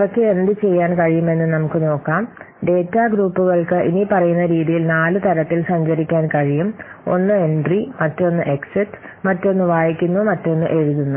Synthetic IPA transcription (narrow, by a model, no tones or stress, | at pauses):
ʋɐkːeend̪ɨt͡ɕe̞jːaːnkɐɻijume̞nːɨnɐmukːɨno̞ːkːaːm | ɖe̞ːtːaɡɾuːpːuɣɐɭkɨʔinipɐrɐjunːɐɾiːðijilnaːlɨt̪ɐɾɐt̪ːilsɐɲd͡ʑɐɾikʲːaːnkɐɻijumo̞̰nːɨe̞ɳɖrimɐtːo̞nːɨʔeksiʈː | mɐtːo̞nːuʋaːjikʲːunːumɐtːo̞nːɨʔe̞ɻuðunːu